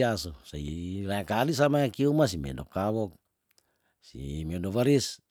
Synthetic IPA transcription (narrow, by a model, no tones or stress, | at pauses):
asusailaakalis̬amaakiumasimḛdokawɔk̚ | sḭmedoβaɾis